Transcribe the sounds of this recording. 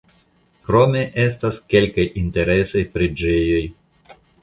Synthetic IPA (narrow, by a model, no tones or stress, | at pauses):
kɾo̞me̞ʔe̞s̬taske̞lkajinte̞ɾe̞sojpɾed͡ʒe̞jo̞j